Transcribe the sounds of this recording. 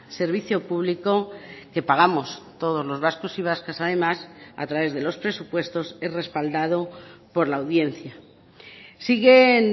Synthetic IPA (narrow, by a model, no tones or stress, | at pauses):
se̞ɾβiθjopuβliko̞ke̞paɣ̞amo̞st̪o̞ð̞o̞zlo̞zβasko̞siβ̞askasaðe̞masa̰t̪ɾaβe̞zðe̞lo̞spɾe̞supwe̞st̪o̞se̞zre̞spald̪að̞o̞po̞ɾlaːwðje̞n̟θja | siɣe̞n